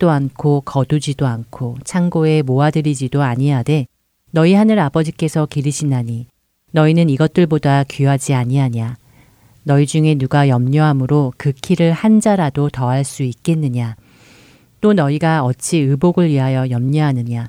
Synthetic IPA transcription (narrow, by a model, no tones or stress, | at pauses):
t͈oankʰokʌdud͡ʑidoankʰot͡ɕʰaŋɡoe̞moadɯɾid͡ʑidoaɲiade̞ | nʌihanɯɾabʌd͡ʑik͈e̞sʰʌkiɾiɕʰinaɲi | nʌinɯniɡʌt̚t͈ɯɭbodakiɦad͡ʑiaɲiɦaɲa | nʌid͡ʑuŋe̞nuɡajʌmɲʌɦamɯɾokɯkʰiɾɯɭhand͡ʑaɾadotʌɦaɭs͈uik̚k͈e̞nːɯɲa | t͈onʌiɡaʌt͡ɕ͈ʰiɯboɡɯɭɥiɦajʌjʌmɲʌɦanɯɲa